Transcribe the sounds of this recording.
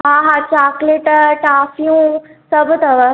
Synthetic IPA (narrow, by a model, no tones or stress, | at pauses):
ɦɦãɦat͡ɕaːkleʈʈaːfijũsəbət̪əʋə